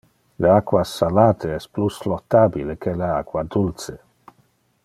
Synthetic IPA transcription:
leakwasalaːt̪eɛspluslɔt̪ːabilekʰeleakwad̪ult͡se

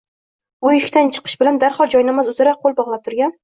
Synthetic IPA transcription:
ʊjɪʃʲt̪ant͡ʃʰɨ̥qʰɨ̥ʃbɪland̪aɾχɒlˠd͡ʒɒjnamazʊzaɾaqʰːolˠbɒʁlˠap̚t̪ʰʊɾɡʲan

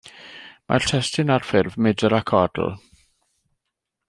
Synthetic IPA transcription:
mʔa̰rtʰɛstɪnarfɪrvmɪdəɾakʰɔd̥l̩ˠ

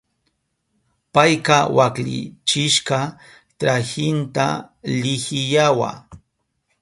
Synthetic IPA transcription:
pajkɑwaklɪ̰t͡ʃɪʃqɑ | t̪ɾaxɪnt̪a̰lɪxɪjawa̰

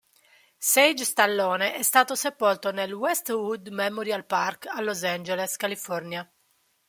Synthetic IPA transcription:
sɛjd͡ʒst̪alːɔːneʔɛst̪aːt̪osepɔlt̪onelwɛst̪wud̪memɔɾjalparkalːozand͡ʒɛleskalifɔrnja

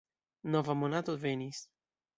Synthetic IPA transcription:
nɔvamɔnat̪ovenʲis

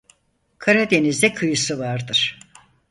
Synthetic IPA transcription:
kʰaɾad̪e̞nizd̪ɛkʰɯjɯsɯvaɾd̪ɯɾ̥

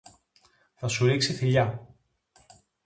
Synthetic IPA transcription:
θɐsuɾiksiθiʎɐ

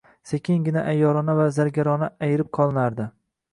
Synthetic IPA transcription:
sekʲʰɪŋɡʲɪnaʔajːɒɾɒnavazaɾɡʲaɾɒnaajɪɾɪp̚qʰɒlˠɪnaɾd̪ɪ

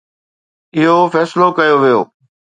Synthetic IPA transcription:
ɪɦofɛːslokɐjoʋijo̰ː

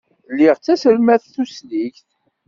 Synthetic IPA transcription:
lːiʁt͡sːæsəlmæθθusliçθ

